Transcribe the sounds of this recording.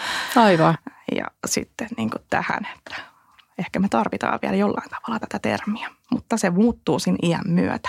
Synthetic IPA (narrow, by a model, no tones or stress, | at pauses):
ɑiʋɑjɑ̰sḭt̪ːenniːŋkut̪t̪æ̰hæ̰ne̥t̪ːæ̥ | ehkæmet̪ɑrʋit̪ɑ̰ːʋʋiæljolːɑ̰int̪ɑ̥ʋɑlːɑt̪æ̥t̪æt̪ḛrmiæ | mut̪ːɑsemuːt̪ːuːsinʔiæ̰mmyø̰t̪æ̥